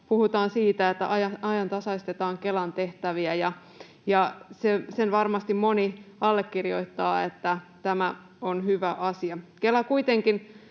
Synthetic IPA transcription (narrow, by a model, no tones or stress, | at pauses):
puhut̪ɑːnsiːt̪æet̪ːæ̰ʔɑjɑɑjɑnt̪ɑsɑist̪et̪ɑːŋke̞lɑnt̪e̞ht̪æʋiæjɑ | jɑsesenʋɑrmɑst̪immo̞niɑlːekːirjo̞it̪ːɑːet̪ːæt̪æmæ | onhyʋæʔɑsiɑkelɑkuit̪eŋkin